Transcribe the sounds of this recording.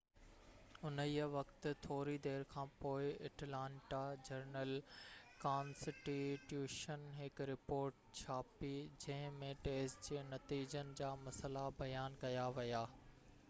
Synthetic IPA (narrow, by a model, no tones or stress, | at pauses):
ʊniːəʋɐkt̪t̪ʰoːɾid̪eːɾkʰãːpoːɪɐʈlãːɳʈad͡ʑɐɾnəlkãːnsɪʈiʈjuːʃənɦɪkɾɪpoːɾʈt͡ɕʰaːpid͡ʑɐ̃ɦɪ̃mẽʈeːsd͡ʑeːnɐt̪iːd͡ʑənɪ̆d͡ʑaːmɐsəlabɐjaːnkɐjaʋɐjaː